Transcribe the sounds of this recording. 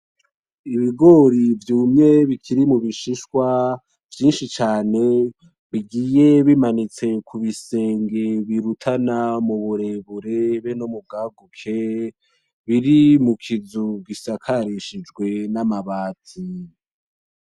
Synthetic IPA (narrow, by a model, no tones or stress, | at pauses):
iβiɡo̞ɾivjuːmɲe̞βikʰiɾimuβiʃiʃkwa | vjiːnʃit͡ʃaːne̞ | βiɡiːje̞βimanit͡se̞kʰuβise̞ːŋɡe̞βiɾutʰanamuβuɾe̞βuɾe̞βe̞nomub̚ɡaːɡukʰe | βiɾimukʰizuɡisakʰaɾiʃid͡ʒɡwe̞namaβaːtʰi